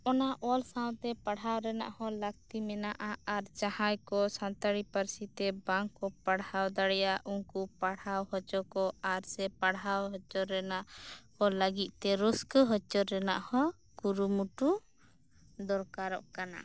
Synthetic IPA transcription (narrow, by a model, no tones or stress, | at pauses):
ɔnaʔɔlsawt̪ɛpaɽɦawɾɛna̰ʔhɔlək̚t̪imɛnaʔaaɾt͡ʃahajkɔsant̪aɽipəɾsit̪ɛbaŋkɔpaɽhawd̪aɽɛjaʔuŋkupaɽawhɔt͡ʃɔkɔaɾsɛpaɽɦawɦɔt͡ʃɔɾːɛnaʔkɔləɡit̪̚ˀt̪ɛɾuskəɦɔt͡ʃɔɾːɛna̰ʔhɔ | ɡuɾumuʈu | d̪ɔɾkaɾɔʔkana̰